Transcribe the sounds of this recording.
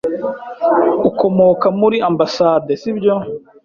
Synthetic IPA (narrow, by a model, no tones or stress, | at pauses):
ukomokamuɾiambasadesibɟo